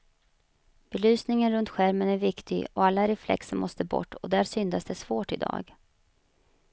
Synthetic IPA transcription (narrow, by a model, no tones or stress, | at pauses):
b̥ɛlyːsnɪŋənɾɵnt̪ɧæɾmənæɾvɪkt̪ʰɪɡɔalːaɾɛflɛ̰ksəmʔɔst̪əbɔ̰ʈːɔd̪æːɾʂʏnd̪asd̪ɛsv̥oːʈɪd̪ɑ̰ːɡ